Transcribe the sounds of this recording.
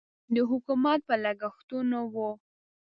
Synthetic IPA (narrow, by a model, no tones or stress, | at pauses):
d̪əɦʊkumat̪̚pəlaɡaxt̪unawo